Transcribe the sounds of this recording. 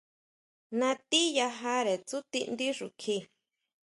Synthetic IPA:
nã˧t̪i˦ja˧ɦa˦ɾe˨t͡su˦t̪i˧nd̪i˦ʐu˨kʰi˧˨

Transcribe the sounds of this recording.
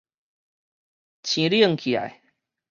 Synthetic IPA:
t͡ɕʰĩ˧˦ɾjə˥˧˨ŋkʰi˨a̰˨˩j

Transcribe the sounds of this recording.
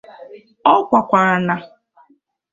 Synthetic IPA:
ɔ˦kʷa˨kʷa˨ɾa˨na˨

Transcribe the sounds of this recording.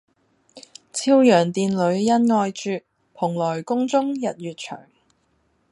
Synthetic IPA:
t͡sʰiː˥wjœː˨˩ŋt̪iː˨nlɵ˨˧ɥjɐ˥nŋɔː˧jt͡ʃyː˧t̚ | pʰʊ˨˩ŋlɔː˨˩jkʊ˥ŋt͡sʊ˥ŋjɐ˨t̚ɥyː˨t̚t͡ʃʰœ̰ː˨˩ŋ

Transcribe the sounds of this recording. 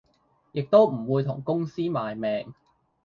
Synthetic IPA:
jɪ˨k̚t̪o˥wm̩˨˩wuː˨˧jt̪ʰʊ̰˨˩ŋkʊ˥ŋsiː˥maː˨jmɛː˨ŋ

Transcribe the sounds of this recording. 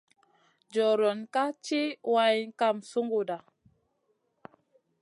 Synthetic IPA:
d͡ʒɔ˨ɾɔ˨nka˦t͡ʃi˦wa˦jnka˦˨msu˦ŋɡu˨da˨

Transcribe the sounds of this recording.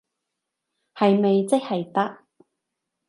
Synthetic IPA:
hɐ˨jme˨jt͡sɪ˥k̚hɐ˨jt̪ɐ˥k̚

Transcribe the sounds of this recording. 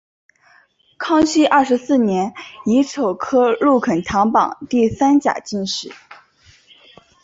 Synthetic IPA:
kʰɑ˥ŋɕʰi˥ʔɐ˥˩ʂɻ̩˧˥sɹ̩˥˩njɛ˧˥ni˧˥ʈ͡ʂʰo˨˩ʊkʰɤ˥lu˥˩kʰə˨˩nt̪ʰɑ˧˥ŋpɑ̰˨˩˦ŋt̪i˥˩sa˥nt͡ɕja̰˨˩t͡ɕi˥˧nʂɻ̩˥˩˦

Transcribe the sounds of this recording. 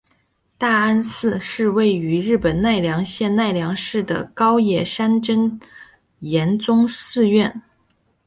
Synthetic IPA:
t̪a˥˩a˥nsɹ̩˥˧ʂɻ̩˥˧we˥˩ɪy˧˥ɻɻ̩˥˩pə˨˩nna˥˩ɪljɑ˧˥ŋɕjɛ˥˧nna˥˩ɪljɑ˧˥ŋʂɻ̩˥˩d̪ə̰˩kɑ˥ʊjɛ˨˩ʂa˥nʈ͡ʂə˥n | jɛ˧˥nt͡sʊ˥ŋsɹ̩˥˧ɥɛ˥˩n

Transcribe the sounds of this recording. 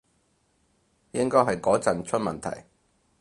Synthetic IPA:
jɪ˥ŋkɔː˥jɦɐ˨jkɔː˨˥t͡sɐ˨nt͡ʃʰɵ˥t̚mɐ˨nt̪ʰɐ̰˨˩j

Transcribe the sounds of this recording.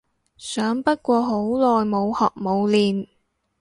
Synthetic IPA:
sœː˨˥ŋpɐ˥t̚kʷɔː˧ɦo˨˥wlɔː˨jmo˨˧whɔ̰ː˨˩k̚mo˨˧wliː˨n

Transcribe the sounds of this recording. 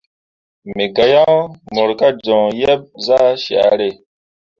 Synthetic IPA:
mi˨ɡa˨jã˦mo˨ɾka˦d͡ʒɔ̃˨jɛ˦b̚za˦ʃa̰˨˦ɾe˦˨

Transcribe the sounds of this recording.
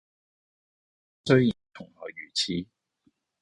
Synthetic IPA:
sɵ˥ɥji˨˩nt̪ʰʊ˨˩ŋhɔ̰ː˨˩jyː˨˩t͡sʰiː˨˧˦

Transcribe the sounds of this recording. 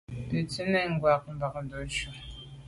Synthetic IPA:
pe˨t͡se˦nɛ˨ŋ˨ɡwa˨k̚m̩˨ba˨k̚n˨do˨˦ʃu˨

